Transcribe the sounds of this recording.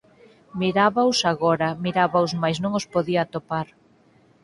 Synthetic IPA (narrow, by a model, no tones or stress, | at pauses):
miɾaβawsaɣɔɾɐmiɾaβawzmajsnõŋospoðiat̪opaɾ